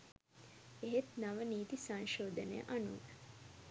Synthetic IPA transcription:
eɦet̪naʋəniːt̪isaŋʃoːd̪ənḛjə̰ʔanu

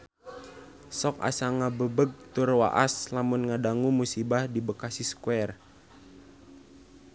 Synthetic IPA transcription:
sɔk̚a̰saŋabəbəɡ̚t̪urwa̰ʔa̰slamunŋadaŋumusibahdibəkasiskuɛr

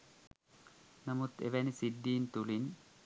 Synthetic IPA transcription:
nɐmut̪ḛʋænisid̪ːiːnt̪ulin

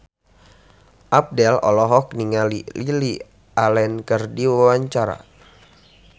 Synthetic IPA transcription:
ʔap̚dɛlɔ̰lɔɦɔk̚niŋalilili | ʔalɛnkərdiwawaɲt͡ʃaɾa̰

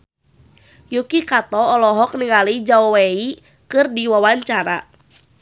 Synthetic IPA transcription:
jukikat̪ɔːlɔɦɔk̚niŋalid͡ʒaɔwei | kɨrdiwawaɲt͡ʃaɾa

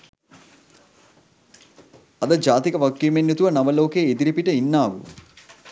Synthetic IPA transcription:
ɐd̪ɐd͡ʒaːt̪ikɐʋɐkːimenut̪uʋɐnɐʋɐlo̞ːkeːed̪iɾipiʈɐinːaːʋṵ

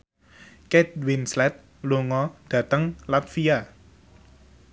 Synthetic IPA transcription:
kɛt̪̚winslɛt̪̚ | luŋɔd̥ä̤t̪əŋlat̪fia

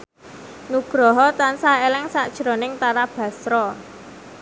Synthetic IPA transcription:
nuɡ̥ɾɔɦɔt̪ansaelɛŋsaʔd̥ʒ̥ɾɔnɪŋt̪aɾab̥ä̤sɾɔ

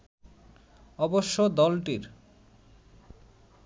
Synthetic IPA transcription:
ɔboʃːod̪ɔlʈiɾ

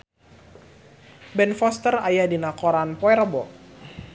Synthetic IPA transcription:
bɛnfɔst̪ərajadinakɔɾanpɔɛrbɔ

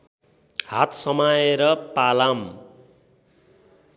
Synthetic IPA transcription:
hat̪ʰsʌmaeɾʌpalam

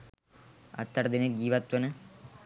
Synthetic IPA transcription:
ɐ̰t̪ːɐɾd̪ined͡ʒiːʋɐt̪wɐnɨ

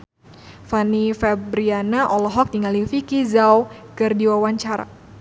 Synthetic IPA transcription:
fanifɛbɾianaʔɔlɔɦɔk̚diŋalifikizawkɨrdiwawaɲt͡ʃaɾa̰

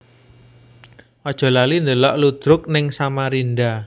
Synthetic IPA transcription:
ʔɔd̥ʒ̥ɔ̤lalind̪əlɔʔlud̪̥ɾʊk̚nɪŋsamaɾinɖa

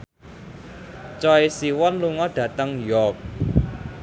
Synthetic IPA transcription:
t͡ʃɔisiwɔnluŋɔd̥ä̤t̪əŋjɔk̚

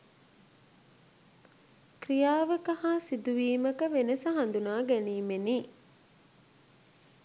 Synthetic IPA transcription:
krijaːʋəkahaːsid̪uʋiːməkəʋenəsəɦɐnd̪unaːɡæniːmeniː

